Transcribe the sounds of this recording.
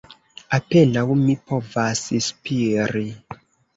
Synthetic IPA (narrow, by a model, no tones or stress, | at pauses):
apenawumipovasispiɾi